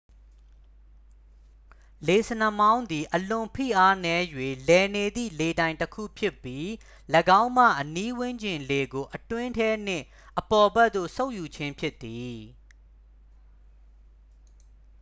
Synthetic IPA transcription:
le˨sə˨nə˨mã˦ʊ̃nd̪i˨ʔəlʊ̃˨mpʰḭ˦˨ʔa˦nɛ˦jwe˨lɛ˨ne˨d̪ḭ˦˨le˨dã˨ɪ̃ntəkʰṵ˦˨pʰjɪ˦pːji˦ | ləɡã˦ʊ̃mä̰˦˨ʔəni˦wɪ̃˦ɲd͡ʑɪ̃˨nle˨ɡo˨ʔətwɪ̃˦ntʰɛ˦n̥ɪ̰̃˦˨ʔ | ʔəpɔ˨bɛ˦t̪t̪ːo̰˦˨so˦ʊʔju˨t͡ɕʰɪ̃˦mpʰjɪ˦t̪ːi˨

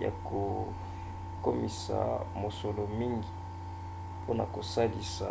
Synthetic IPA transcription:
ja̰˨kʰo˨ | ko˦mi˨sa̰˨mo˨so˨lo˨mi˦ŋɡi˨ | pʰo˦na˨ko˨sa˦li˨sa˨

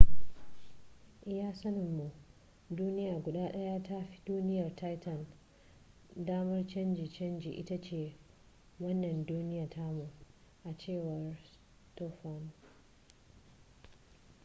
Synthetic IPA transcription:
ʔɪ˦jaː˦sɐ˦nɪ˨mːu˨ | duː˦nɪ˦jaː˨ɡʷʊ˨ɗaː˦ɗɐ˦ja˦ta˦ɸi̥˦duː˦nɪ˦jɐ˨rta˦jtɐ˨n | daː˦mɐ˦rt͡ʃɐ˦nd͡ʒi˨t͡ʃɐ˦nd͡ʒḭː˨ʔɪ˦ta˦t͡ʃeː˨ | wɐ˦nːɐ˨nduː˦nɪ˦jaː˨tʰa˦mu˨ | ʔa˨t͡ʃeː˦˨wɐ˨r | tɔ˦ɸa˦˨n

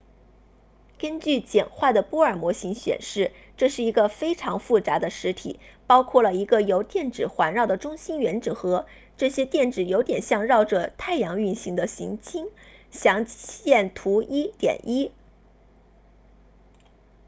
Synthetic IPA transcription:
kə˥nt͡ɕy˥˩t͡ɕjɛ˨˩nxwa˥˩d̪ə˩pwɔ˥ə˞˨˩mwɔ˧˥ɕi˧˥ŋɕɥɛ̰˨˩nʂɻ̩˥˩ | ʈ͡ʂɤ˥˧ʂɻ̩˥˩i˧˥ɡə˧fe˥ɪʈ͡ʂʰɑ˧˥ŋfu˥˩t͡sa˧˥d̪ə˧ʂɻ̩˧˥t̪ʰḭ˨˩˦pɑ˥ʊkʰwɔ˥˩lə˩i˧˥ɡə˧jo˧˥ʊt̪jɛ˥˩nʈ͡ʂɻ̩˨˩xwa˧˥nɻɑ˥˩ʊd̪ə˩ʈ͡ʂʊ˥ŋɕi˥nɥɛ˧˥nʈ͡ʂ̩˨˩xɤ˧˥ | ʈ͡ʂɤ˥˩ɕjɛ˥t̪jɛ˥˩nʈ͡ʂɻ̩˨˩jo˧˥ʊt̪jɛ˨˩nɕjɑ˥˧ŋɻɑ˥˩ʊʈ͡ʂɤ˩t̪ʰa˥˩ɪjɑ˧˥ŋy˥˩nɕi˧˥ŋd̪ə˧ɕḭ˧˥ŋt͡ɕʰi˥ŋɕjɑ˧˥ŋjɛ˥˩nt̪ʰu˧˥i˥t̪jɛ̰˨˩nʔi˥

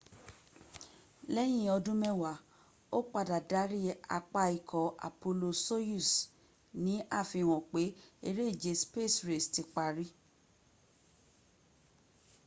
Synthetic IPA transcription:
lɛ˦j̃ĩ˦˨ɔ˧dũ˦mɛ̃˦˨wa˨˦ | o˦k͡pa˧da˨da˨˦ɾi˦a̰˧k͡pa˧i˨kʰɔ˨ʔa̰˨po˧lo˧so˦ju˦˨s | nĩ˨˦a˦˨fĩ˧w̃ɔ̃˨k͡pe˨˦e˧ɾe˦i˦˨d͡ʒe˨˧spe˦˨sɾe˨sti˧k͡pa˧ɾi˦

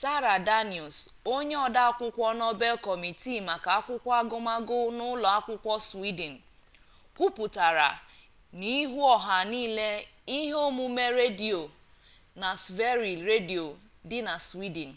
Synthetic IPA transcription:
sa˦ɾa˨da˦ni˨ɔ˨so˦ɲe˦ɔ˨da˦a˦kʷʊ˦kʷɔ˦nɔ˦be˦lkɔ˨mi˨ti˦ma˨ka˨a˦kʷʊ˦kʷa˦ɡʊ˦ma˦ɡʊ˦nʊ˦lɔ˨a˦kʷʊ˦kʷɔ˦si˦de˨n̩˨ | kʷu˦pu˨ta˨ɾa̰˨ | ni˦ɦu˦ɔ˨ɦa˨niː˦le˦ | i˦ɦe˦o˦mu˦me˦ɾe˦di˨o˨ | na˨sve˦ɾi˨ɾe˦di˨o˨ | dɪ˦na˨si˦di˨n̩˨

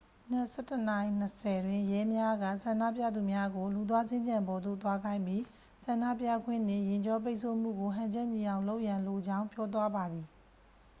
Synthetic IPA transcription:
n̥ɛ˦˨sɛ˦tə˨na˨i˨n̥əsɛ˨dwɪ̃˦˨jɛ˦mja˦ɡä̰˦˨sã˨ndä̰˦˨pja̰˦˨d̪u˨mja˦ɡo˨lu˨t̪̬wa˦zɪ̃˦ɲd͡ʑã˨mbɔ˨d̪o̰˦˨t̪wa˦ɡã˦ɪ̃mpji˦ | sã˨nda̰˦˨pja̰˦˨ɡwɪ̰̃˦˨nɪ̰̃˦˨jɪ̃˨ɲd͡ʑɔ˦p̬e˦ɪʔsʰo˦˨m̥ṵ˦˨ɡo˨ɦã˨ɲd͡ʑɛ˦ʔɲi˨ã˨ʊ̃lo˦ʊʔjã˨nlo˨d͡ʑã˦ʊ̃mpjɔ˦t̪̬wa˦ba˨d̪ði˨

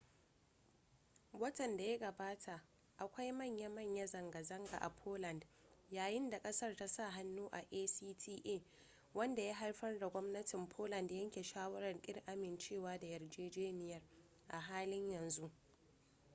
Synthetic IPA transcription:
wɐ˦tɐ˨nda˨ja˦ɡɐ˨baː˦tʰa˨ʔ | ʔa˨kʷa˦jmɐ˦˨ɲja˦mɐ˦˨ɲja˦zɐ˨ŋɡa˨zɐ˦ŋɡa̰˨ʔa˨pʰoː˦lɐ˨ndjaː˨jɪ˦nda˨kʼɐ˦sɐ˦rta˦sa˦˨ɦa˦nːuː˦ʔa˨ʔeː˦siː˦tʰiː˦ʔeː˦˨ | wɐ˦nda˨jaː˦ɦa˦rɸɐ˦rda˨ɡʷɔ˦mnɐ˦tɪ˨mpʰoː˦lɐ˨ndjɐ˦ŋkʲe˨ʃaː˦wɐ˦ɽɐ˨rkʲʼɪ̰˦rʔa˦mɪ˨nt͡ʃeː˦˨waː˦da˨jɐ˨rd͡ʒeː˦d͡ʒeː˦nɪ˨jɐ˦r | ʔa˨ɦaː˦lɪ˦ɲjɐ˨nzu˦ʔ

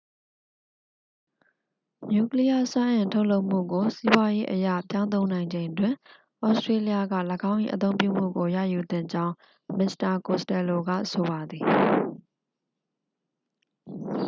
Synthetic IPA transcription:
ɲju˦˨kli˦ja˦sã˦ʔɪ̃˨ntʰo˦ʊʔlo˦ʊʔm̥ṵ˦˨ɡo˨si˦bwa˦je˦ʔəja̰˦˨pjã˦ʊ̃nt̪̬õ˦ʊ̃nã˨ɪ̃ɲd͡ʑẽ˨ɪ̃ndwɪ̃˨ | ʔɔ˦stɹe˦li˦ja˦ɡa̰˦˨lə˨ɡã˦ʊ̃ʔḭ˦ʔət̪̬õ˦ʊ̃mpjṵ˦˨m̥ṵ˦˨ɡo˨jä̰˦˨ju˨d̪ɪ̰̃˦˨ɲd͡ʑã˦ʊ̃ | mɪ˨sta˨ko˨stɛ˨lo˨ɡa̰˦˨so˨βa˨d̪ði˨

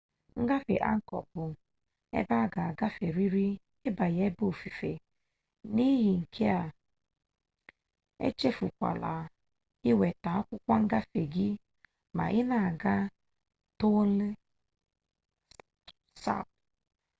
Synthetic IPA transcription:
ŋ̩˦ɡa˦fḛ˨ʔa̰˦ŋ̩˦kɔ̰˨bʊ˨ | ḛ˦ba˦˨ɡa˨ɡa˦fe˨ɾi˦ɾi˦ | ɪ˦ba˨je˦bo˦˨fi˨fḛ˨ | ni˦ji˨ŋ̩˨kʰe˦a˨ | ḛ˦t͡ʃe˦fu˨kʷa̰˨la˨ | ɪ˦we˨ta˨˦kʷʊ˦kʷa˦ŋ̩˦ɡa˦fe˨ɡi˦ | ma̰˨ʔɪ˦na˨ɡa˦ | tʊ˦lɪ˦ | sa̰˦˨p̚

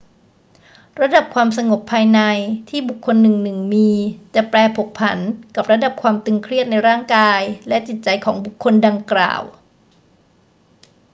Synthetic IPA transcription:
ɾa˧da˨˩p̚kʰwaː˧msa˧ŋo˨˩pʰːaː˧jna˧jt̪ʰiː˥˩bu˨˩kʰːo˧nːɯ˨˩ŋnɯ˨˩ŋmiː˧t͡ɕa˨˩ʔplɛː˧pʰo˨˩k̚pʰa˩˦nka˨˩p̚ɾa˧da˨˩p̚kʰwaː˧mt̪ɯ˧ŋkʰɾi˥˩ət̪̚na˧jɾaː˥˩ŋkaː˧jlɛ˦˥ʔt͡ɕi˨˩t̪̚t͡ɕa˧jkʰɔː˩˦ŋbu˨˩kʰːo˧nda˧ŋkla̰ː˨˩w

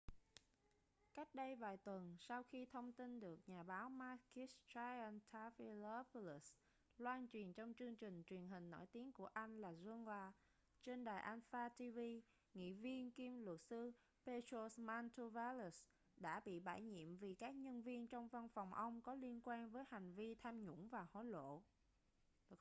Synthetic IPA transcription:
ka˦˥jk̟̚ɗə˧jvaː˨˩jt̪wə˨˩nsa˧wxi˧t̪ʰə˧wŋ͡mt̪i˧nɗɨ˨˩ək̚ɲaː˨˩ɓaː˨˦wmaː˧ki˦˥sta˧a˧nt̪ʰaː˨˦fi˧lə˧˦pli˦˩s | lwaː˧nt͡ɕwi˨˩ənt͡ɕɔ˧wŋ͡mt͡ɕɨ˧əŋt͡ɕï˨˩ŋ̟t͡ɕwi˨˩ənɦï˨˩ŋ̟no̰˧˩jt̪i˨˦ənku˧˩əʔa˧jŋ̟laː˨˩zə˧nzwaː˧ | t͡ɕe˧nɗaː˨˩jʔaː˧nfaː˧t̪i˧vi˧ | ŋḭ˧˨vi˧ənki˧mlwə˨˩t̚sɨ˧ | pe˧to˧sma˧nt̪u˧vaː˧lu˨˩s | ɗa̰ː˧˥ɓḭ˧˨ɓaː˧˩jɲḭ˧˨əmvi˨˩kaː˦˥k̚ɲə˧nvi˧ənt͡ɕɔ˧wŋ͡mva˧nfɔ˨˩wŋ͡mʔə˧wŋ͡mkɔ˨˦li˧ənkwaː˧nvəː˨˦jha˨˩ŋ̟vi˧t̪ʰaː˧mɲʊ̰˧˥ŋ͡mvaː˨˩ho̰˧˥jlo̰˧˨

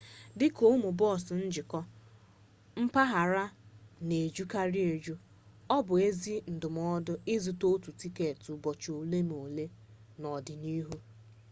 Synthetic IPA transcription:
dɪ˦ko˦mʊ˨bɔ˦˨sʊ˨n̩˦d͡ʒɪ˨kɔ˦ | m̩˦pa˦ɦa˨ɾa˦ne˨d͡ʒu˦ka˦ɾi˦e˨d͡ʒu˦ | ɔ˦bʊ˨e˦zi˦n̩˨dʊ˨m˦ɔ˦dʊ˦ɪ˦zu˨to˦tu˨ti˦ke˨tu˨bɔ˨t͡ʃo˨le˦m˨o˨le˦ | nɔ˨dɪ˨ni˦ɦu˦

